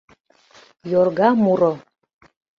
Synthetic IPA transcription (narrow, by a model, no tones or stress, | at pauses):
jorɣɑmuɾo